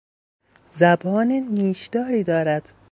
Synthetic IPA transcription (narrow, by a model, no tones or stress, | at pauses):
zæbɒːneniːʃd̪ɒːɾiːd̪ɒːɾæd̪̥